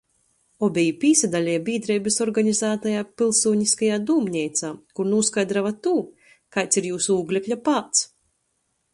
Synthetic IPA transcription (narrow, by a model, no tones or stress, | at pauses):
ɔbʲɛjupʲiːsad̪alʲɛjbʲiːd̪ɾɛjbʲisɔɾɡaɲizaːt̪ajaːpʲilˠsuːɲiskajaːd̪uːmɲʲɛjt̪saːkuɾnuɔskajd̪ɾavat̪uː | kajt̪siɾjuːsuuːɡlʲɛklʲapaːt̪s